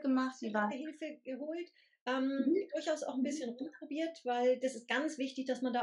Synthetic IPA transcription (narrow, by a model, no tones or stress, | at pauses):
ɡ̥əmaχtv̥iːvaɦɪlfəɡ̥əɦoːlt | ʔɛːmd̥ʊɐçaʊsaʊxn̩bɪsçənʁʊmpʁ̥obiːɐtv̥aɪld̥asɪst̚ɡ̥ant͡sv̥ɪçtɪçd̥asmandaː